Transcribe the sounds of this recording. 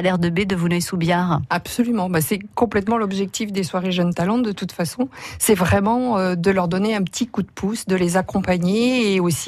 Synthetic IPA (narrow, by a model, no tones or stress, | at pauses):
alɛʁd̪əbed̪əvunœjsubjaʁapsɔlymɑ̃basɛkɔ̃plɛt̪mɑ̃lɔbʒɛk̚t̪ifd̪eswaʁeʒənt̪alɑ̃d̪ət̪ut̪fasɔ̃sɛvʁɛmɑ̃ød̪əlœʁd̪ɔneɛ̃pət̪ʰikud̪pʰusd̪əlezakɔ̃paɲeːosi